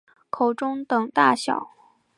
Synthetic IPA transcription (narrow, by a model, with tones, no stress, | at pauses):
kʰo˨˩ʊʈ͡ʂʊ˥ŋt̪ɤ˨˩ŋt̪a̰˥˩ɕjɑ̰˨˩˦ʊ